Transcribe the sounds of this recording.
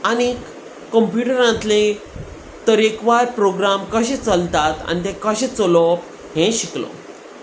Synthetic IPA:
añik | kːəmpjuʈəɾãt̪lẽ | t̪əɾekʋaɾpɾoɡɾamkəɕẽt͡səlt̪at̪a̰ñit̪ẽkəɕet͡solɔp | ɦẽɕiklo̰

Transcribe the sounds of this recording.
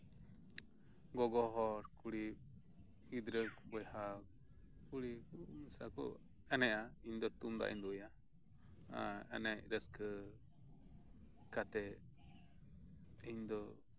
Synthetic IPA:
ɡoɡoɦoɾkuɾi | hid̪ɾəkboha | kuɾikusakṵ | enẽaind̪ot̪und̪a̰ʔḭnd̪uja | a̰ḛneɾəskə | kat̪ɛ | ind̪o

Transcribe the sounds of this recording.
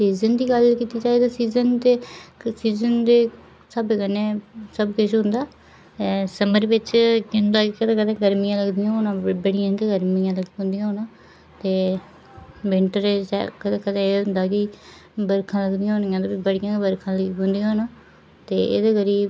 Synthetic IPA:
siːzənd̪iːɡəlkiːt̪iːd͡ʒaːeːd̪aːsiːzənt̪eːsiːzənd̪eː | səbeːkəneːsəbkʊt͡ʃɦʊ̃nd̪aː | səməɾʋɪt͡ʃkɪnd̪aːkkəd̪ẽːkəd̪ẽːɡəɾmijãːləɡd̪ɪjãːɦoːnãːbəɽɪjãːkiɡəɾmijãːləɡɦʊ̃nd̪ɪijãːɦoːnãː | t̪eː | bɪɳʈəɾesɛ̰kəd̪ekət̪eːɦʊ̃nd̪aːkibəɾkʰãːləɡd̪ɪjãːɦonɪjãːt̪oːbibəɽɪjãːkbəɾkʰãːləbʊnd̪ijãːɦoːnãː | t̪eːḛd̪eːkəɾiː

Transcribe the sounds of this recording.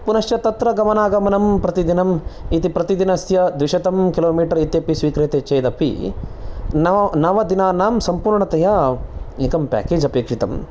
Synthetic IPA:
punɐʃjɐt̪ɐt̪ɾɐɡɐmɐnaːɡɐmɐnɐmpɾɐt̪id̪inɐmit̪ipɾɐt̪id̪inɐsjɐd̪ʋiʃɐt̪ɐmkiloːmiːʈɐɾit̪jɐpisʋiːkɾeːt̪et͡ʃɐjd̪ɐpʰḭ | nɐnɐʋɐd̪inaːnaːmsɐmpuːɾɳɐt̪ɐjaːiŋkɐmpʲa̰ːkeːd͡ʒɐpeːkʂit̪ɐm

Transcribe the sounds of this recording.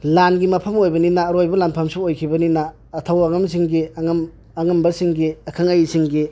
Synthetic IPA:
lanɡimɐpʰɐmojbɐninaːɾojbɐlanpʰɐmsuojkʰibɐninaː | tʰawɐŋɐmsiŋɡiaŋm | ɐŋɐmbɐsiŋɡiɐkʰaŋajsiŋɡi

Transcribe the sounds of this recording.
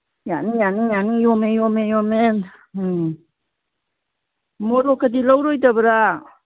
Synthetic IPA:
janijanijanijɔmejɔmejɔmen | mɔɾɔkʰadilawɾɔjdabəɾa

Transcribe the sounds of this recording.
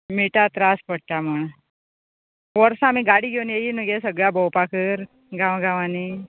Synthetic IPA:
miʈat̪ɾaspəɽ̚t̪am̤əɳ | ʋəɾsãamiːɡaɽiːɡʱewnjejinuɡesəɡɭjabəwpakəɾ | ɡʱãwɡʱãʋani

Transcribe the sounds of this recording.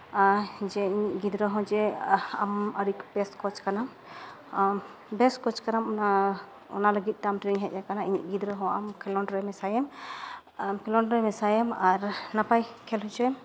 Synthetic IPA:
d͡ʒɛiɲiʔɡid̪ɾəɦɔ̃d͡ʒɛaməɾibɛskɔt͡ʃkana | bɛskɔt͡ʃkanama | ɔ̰naləɡit̪̚ˀd̪amʈɾiɲɦɛt̪̚ˀakanaiɲiʔ̚ɡid̪ɾəɦɔ̃amkʰɛlɔnɖɾɛmɛsajɛm | mkʰilɔnɖɾɛmɛsajɛmaɾnapajkʰɛlɦɔt͡ʃɔjɛm

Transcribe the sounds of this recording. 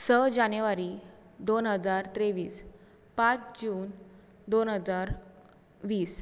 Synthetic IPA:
səd͡ʑanjuʋaɾi | d̪onɦəd͡zaɾt̪ɾeʋiːs | pãt͡sd͡ʑuːn | d̪onɦəd͡zaɾ | ʋiːs

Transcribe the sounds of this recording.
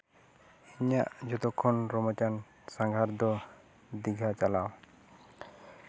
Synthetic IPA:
iɲaʔd͡ʒɔt̪ɔkʰɔnɾɔmɔt͡ʃan | saŋɡʱaɾd̪ɔ | d̪iɡʱat͡ʃalaw

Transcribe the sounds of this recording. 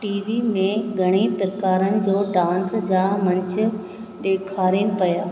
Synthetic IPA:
ʈiːʋimẽɡʱɐɽ̃ipɾkaːɾənɪ̆d͡ʑoːɖãːnsd͡ʑaːmɐ̃ɲt͡ɕʰə̆ | ɗeːkʰaːɾinɪ̆pɐjaː

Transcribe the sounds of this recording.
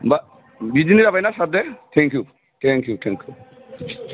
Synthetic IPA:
ba | bid͡ʒiniɾapajnasab̚d̪ɛt̪ʰɛŋkju | t̪ʰɛŋkjut̪ʰɛ̃ŋkju

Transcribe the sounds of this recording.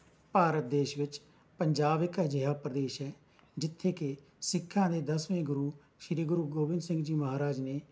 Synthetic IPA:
paːɾət̪̚d̪eːʃʋɪt͡ʃ | pəɲd͡ʒaːbɪkd͡ʒəɦaːpɾəd̪eːʃɛː | d͡ʒɪt̪ʰːeːke | sɪkʰːãːd̪eːd̪əsʋẽːɡʊɾuː | ʃɪɾiːɡʊɾuːɡoːbɪ̃nd̪sɪ̃ŋɡd͡ʒiːməɦaːɾaːd͡ʒneː

